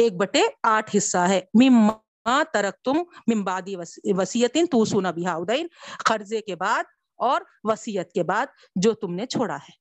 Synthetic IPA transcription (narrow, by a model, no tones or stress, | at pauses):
eːk̚bɐʈeaːʈʰɦɪsːaɦɛːmɪmm | aːt̪ɐɾək̚t̪ʊmːɪ̃mbaːd̪iʋɐsiːət̪ɪnt̪uːsuːnabɪɦaːʊd̪ɐɪnqɐɾzekebaːd̪̚ | ɔːɾ | ʋɐsiːjət̪̚kebaːd̪̚ | d͡ʒoːt̪ʊmnet͡ʃʰoːɽa̰ɦɛː